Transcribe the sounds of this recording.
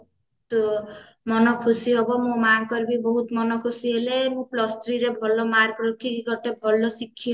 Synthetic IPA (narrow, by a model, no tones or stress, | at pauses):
t̪ | mɔnɔkʰusiɦobɔmũmaŋkɔɾbibɔɦut̪mɔnɔkʰusiɦelemũplɔst̪ɾiɾebʱɔlːɔmaɾkɾɔkʰːiɡɔʈebʱɔlːɔsikʰːi